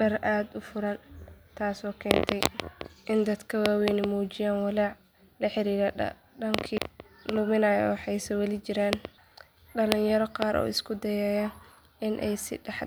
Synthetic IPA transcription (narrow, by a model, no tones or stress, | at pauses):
dɐrʔaːd̪ʊfʊɾɐnt̪ʰaːsɔːkʰɛːnt̪ʰɛjʔɪnd̪ɐd̪kʰɐwaːwɛjnɪmuːt͡ʃɪjaːnwɑlaːʕ | lɐħɪɾiːɾɐɐ̰ | ɖɐŋkʰi | lʊmɪnɐjɔ̰wħɑjsɐwɛlɪt͡ʃɪɾaːn | ɖɐlɪnjɐɾɔqɑːɾʔɔ̰ːɪskʰʊd̪ɐjɛːjɐ | ɪnʔɛjsɪ̰ɖɛħ